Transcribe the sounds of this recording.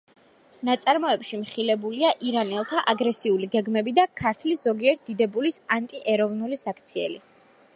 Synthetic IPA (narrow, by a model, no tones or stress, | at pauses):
nat̪sʼaɾmɔɛpʃimχilɛbuliaʔiɾanɛlˠt̪ʰaʔaɡɾɛsiuliɡɛɡmɛbid̪akʰaɾt̪ʰliszɔɡiɛɾt̪̚d̪̥id̪ɛbulisant̪ʼiʔɛɾɔvnulisak̚ʰt̪sʰiɛ̰li